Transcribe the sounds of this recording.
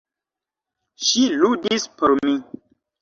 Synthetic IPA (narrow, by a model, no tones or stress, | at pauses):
ʃiludispʰɔɾmi